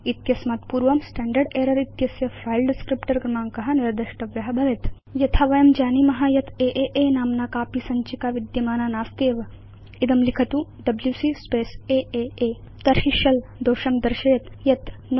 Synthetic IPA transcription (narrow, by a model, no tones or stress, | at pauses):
it̪jɐsmɐt̪puːɾʋɐmsʈɛːɳɖɐɖeːɾɐɾit̪jɐsjɐpʰɾaːilɖɪskɾipʈɐɾɡɾɐmaːŋkɐɦɐ̆niɾd̪ɐʃʈɐʋjɐɦɐbʱɐʋet̪ | jɐt̪ʰɐʋɐjɐmd͡ʒaːnimɐɦajɐt̪eːʔeːʔeːnaːmnaːkaːpisɐɲt͡ʃikaːʋid̪jɐmaːnaːnaːst̪eːʋɐ | id̪ɐmlikʰɐt̪uɖɐbljuːsiːspeːseːeːeː | t̪ɐɾɦiʃɐld̪oːʃɐmd̪ɐɾʃɐjɐt̪jɐt̪n